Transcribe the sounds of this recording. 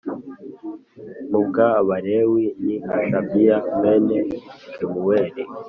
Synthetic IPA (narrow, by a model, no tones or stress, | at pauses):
mukaβaɾewinihaʃabijamɛnɛkimuwɛɾi